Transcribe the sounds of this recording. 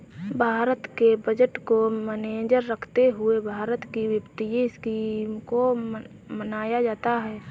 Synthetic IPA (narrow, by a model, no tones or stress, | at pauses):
bʱaːɾət̪kebəd͡ʒəʈkoməneːd͡ʒəɾːəkʰt̪eɦʊebʱaːɾət̪kiwjəpt̪ijiɪskiːmko | mənaːjad͡ʒaːt̪aɦɛː